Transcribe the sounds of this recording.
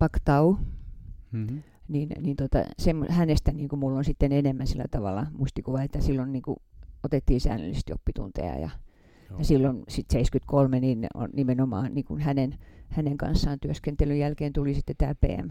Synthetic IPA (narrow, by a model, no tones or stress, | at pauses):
pɑkt̪ɑu | niːnniːnt̪ot̪ɑ̰semːohænest̪æniːŋkumulːonsit̪ːenenemːænsilːæ̰t̪ɑʋɑ̰lːˑɑmust̪ikuʋɑet̪ːæsilːonniːŋkṵot̪et̪ːiːnsæ̰ːnːø̰lːist̪jo̰pːit̪ṵnt̪ḛɑ̰jɑ̰ | jɑsilːonsit̪seiskyt̪kolmenino̰nnimenomɑ̰ːniːŋkunhænenhæneŋkɑ̰nsːɑːnt̪yøskent̪elyjælkeːnt̪ulisit̪ːet̪æːlpḛːæ̰m